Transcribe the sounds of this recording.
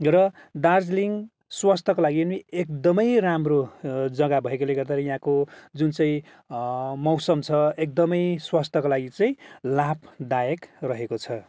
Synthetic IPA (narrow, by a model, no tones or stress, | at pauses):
rʌ | d̪ard͡zliŋ | swast̪ʰʌkolaɡiʌniek̚d̪ʌmʌjramrod͡zʌɡabʱʌɦekoleɡʌrd̪aɾʌjɦãkod͡zunt͡sʌ̃ĩ | mʌwsʌmt͡sʰʌek̚d̪ʌmʌjswast̪ʰʌkolaɡit͡sʌ̃ĩlapʰd̪ajekrʌɦekot͡sʰʌ